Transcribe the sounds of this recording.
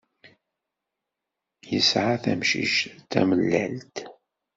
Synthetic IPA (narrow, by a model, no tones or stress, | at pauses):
jəsʕaθæmʃḭʃt̪æ̰məlːælt̪